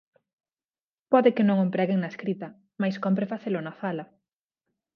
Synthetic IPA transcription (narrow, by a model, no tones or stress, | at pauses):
pɔðɪkɪnõŋompɾɛɣeŋnɐeskɾit̪ɐ | majskomp̬ɾefaθelʊnafalɐ